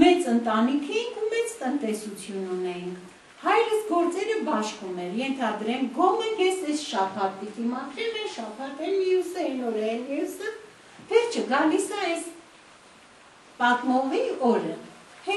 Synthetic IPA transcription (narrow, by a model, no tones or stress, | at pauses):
mɛt͡sənt̪ɑnikʰɛjinkʰumɛt͡st̪ənt̪ɛsut͡sʰjununɛjiŋkʰ | hɑjɾəsɡɔɾt͡sɛɾəbɑʃkumɛɾjɛnt̪ʰɑd̪ɾɛmɡɔmənjɛsɛsʃɑpʰɑt̪ːik̪ʰimɑk̪ʰɾɛlɛʃɑpʰɑt̪ɛlmiusɛnɔɾɛɛlmijusə | vɛɾt͡ʃʰəɡɑlisɑɛs | pɑt̪mɔʁiɔɾə | hɛ